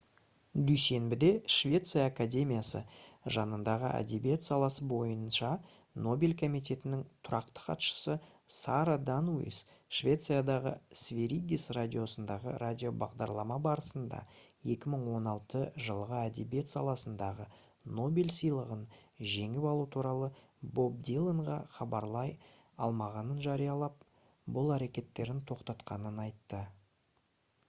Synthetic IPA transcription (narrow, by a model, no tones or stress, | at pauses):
d̪yjse̞nbɪd̪e̞ʃvʲe̞t̪sɨjaːkad̪ʲe̞mʲijasə̰ʒɑnənd̪ɑʁə̰ʔæ̰d̪ebije̞t̪sɑlˠɑsəbo̞jənʃɑ | no̞bʲilʲkʰo̞mijt̪ʲe̞t̪ɪnɪŋt̪ʰʊɾɑqt̪ə̥qʰɑ̰t̪ʃə̥sə | sɑɾad̪anuḭs | ʃvʲe̞t̪sɨjad̪ɑʁə̰svʲe̞ɾʲiɡʲisrad̪ʲijo̞sənd̪ɑʁə̰ɾʔadʲijo̞bɑ̰ʁd̪ɑɾlˠɑmɑbɑɾəsənd̪ɑ̰je̞kʲɪməɴwo̞nɑlˠt̪əʒəlˠəʁəæd̪ebje̞t̪sɑlˠɑsənd̪ɑʁə | no̞belʲsəjlˠəʁənʒe̞ŋɪpɑlˠut̪ʰuɾɑlˠə | bo̞b̚d̪ilˠəɴʁɑχɑbɑɾlˠɑj | ɑ̰lˠmɑʁɑnənʒɑɾijɑlˠɑp̚ | bʊlˠæɾe̞kʲe̞t̪ːe̞ɾɪnt̪ʰo̞qt̪ɑt̪qɑnənɑjt̪ːə